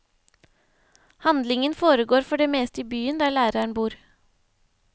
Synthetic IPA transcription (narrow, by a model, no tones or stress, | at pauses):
hɑnd̪lɪŋənfoːɾəɡoːɾfɔɖeːmeːst̪iːbyːənd̪æːɭæːɾəəɳbuːɾ